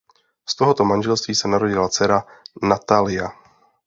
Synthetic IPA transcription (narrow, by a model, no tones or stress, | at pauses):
st̪oɦot̪o̞manʒɛlst̪viːsɛnaɾoɟɪlat͡sɛɾanat̪alɪja